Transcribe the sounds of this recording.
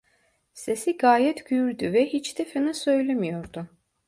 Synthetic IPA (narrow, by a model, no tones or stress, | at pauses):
sesiɡaːjɛt̪ʰɟyjyɾd̪yvɛhit͡ʃt̪ʰefinɯsø̞jlʲemijo̞ɾd̪u